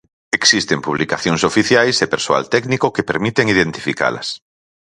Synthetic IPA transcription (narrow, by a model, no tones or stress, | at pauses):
eksist̪empuβ̞likaθjoŋsofiθjajsepeɾsoa̰lt̪ɛknikokepeɾmit̪eŋiðent̪i̥fika̰lɐ̰s